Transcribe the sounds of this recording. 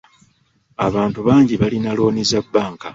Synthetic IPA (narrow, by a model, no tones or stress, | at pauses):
aβaːntuβaːɲɟiβalinalo̞ːnizabːaːŋka